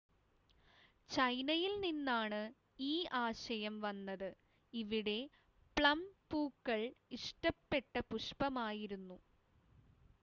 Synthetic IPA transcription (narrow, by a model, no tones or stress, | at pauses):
t͡ɕɐjnɐjilninːaːɳɨ | iːʔaːɕɐjɐmʋɐnːɐðɨ | iʋiɽe̞ | pɭɐmpuːkːɐɭiʂʈɐpːe̞ʈːɐpuʂpɐmaːjiɾunːu